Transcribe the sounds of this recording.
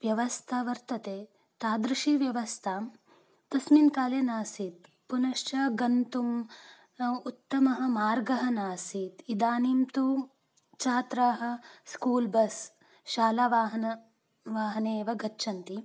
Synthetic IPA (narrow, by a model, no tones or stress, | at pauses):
ʋjɐʋɐst̪ʰaʋɐɾt̪ɐt̪eː | t̪aːd̪ɾɐʃiːʋjɐʋɐst̪ʰaːm | t̪ɐsminkaːleːnaːsit̪̚ | punɐʃt͡ʃɐɡɐnt̪um | ut̪ːɐmɐɦɐ̆maːɾɡɐɦɐnaːsit̪id̪aːnimt̪u | t͡ʃaːt̪ɾaːɦɐ̆skuːlbɐs | ʃaːlaːʋaːɦɐnɐ | ʋaːɦɐneːʋɐɡɐt͡ʃːʃʰɐnt̪i